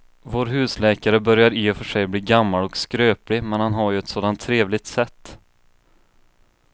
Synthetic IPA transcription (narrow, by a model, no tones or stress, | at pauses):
voːɾɦʉ̟ːslɛːkaɾəbœɾjaɾɪːfœʂɛjbliːɡamːalɔkskɾøːplɪmɛnhanɦaɾjɵɛt̪soːd̪ant̪ʰːɾeːvlɪt̪sɛt̪ː